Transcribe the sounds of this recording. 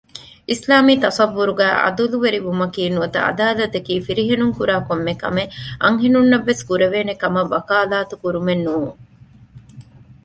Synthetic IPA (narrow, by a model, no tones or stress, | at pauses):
ʔislaːmiːt̪ɐsɐʋːuɾuɡæ̰ːʔɐ̰d̪uluʋeɾiʋumɐkiːnuʋɐt̪ɐ̰ɐ̰d̪aːlɐt̪ekiːfiɾiɦenuŋkuɾaːkomːekɐ̰meʔɐŋɦenunːɐʋːeskuɾeʋeːnekɐmɐʋɐkaːlaːt̪ukuɾumenːuː